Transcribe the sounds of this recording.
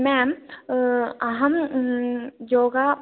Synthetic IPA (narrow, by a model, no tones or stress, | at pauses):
mɛm | ɦɐm | joːɡa